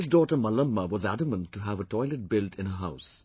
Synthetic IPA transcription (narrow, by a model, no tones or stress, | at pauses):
ɪzdɔːʈəmʌlə̃mːəwʌzædəmə̃ntuɦævətʰɔɪlət̚bɪltʰɪ̃nəɦaʊs